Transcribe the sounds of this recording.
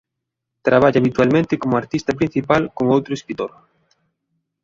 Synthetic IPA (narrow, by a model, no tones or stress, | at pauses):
t̪ɾaβaʎaβit̪walmẽnt̪ɪkomoaɾt̪ist̪ɐpɾin̟θipalkoŋowt̪ɾoeskɾit̪oɾ